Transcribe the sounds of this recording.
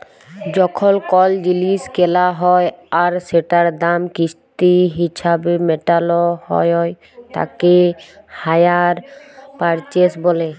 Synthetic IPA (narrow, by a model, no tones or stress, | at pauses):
d͡ʑɔkʰɔlkɔld͡ʑiliskelaɦɔjaɾseʈaɾd̪amkist̪iɦisabemeʈalɔhɔ̰jɔj | t̪a̰ke | hajaɾpaɾt͡ʃesbole